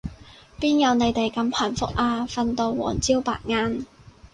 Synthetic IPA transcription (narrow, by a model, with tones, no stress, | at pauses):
piː˥njɐ˨˧wne˨˧jt̪e˨jkɐ˧mpʰɐ˨˩nfʊ˥k̚ʔaː˧fɐ˧nt̪o˧wːɔ̰ː˨˩nt͡siː˥wpa̰ː˨˩t̚ŋaː˥n